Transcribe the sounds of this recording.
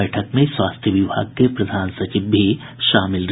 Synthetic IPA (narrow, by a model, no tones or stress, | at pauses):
ɛːʈʰəkmẽswaːst̪ʰjəʋɪbʱa̰ːɡ̚kepɾɐd̪ʱaːnsɐt͡ʃiːbʱi | ʃaːmɪlɾ